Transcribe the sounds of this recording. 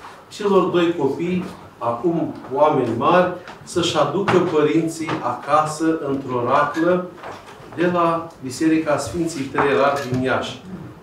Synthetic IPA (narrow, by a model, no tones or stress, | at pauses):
t͡ʃe̞lo̞rd̪o̞jko̞pij | akumwame̞nʲmarʲsəʃʲad̪ukəpəɾint̪sijakasəʔɨnt̪ɾo̞ɾaklə | d̪e̞labise̞ɾikasfint̪sijt̪ɾeɾaklinijaʃʲ